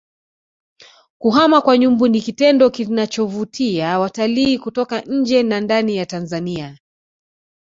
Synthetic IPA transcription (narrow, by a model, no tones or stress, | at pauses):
kuɦamakwaɲumbunikitɛndɔkinat͡ʃɔvutʰiawataliːkutɔkaɲ̩d͡ʒɛnandanijatanzania